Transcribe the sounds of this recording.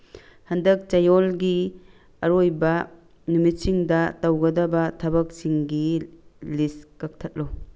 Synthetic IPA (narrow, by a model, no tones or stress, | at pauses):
hɐndɐk̚t͡ʃɐjolɡi | ɐɾojbɐ | numit̚siŋdɐtɐwɡɐdɐbɐtʰɐbɐk̚siŋɡiliskɐk̚tʰɐt̚lo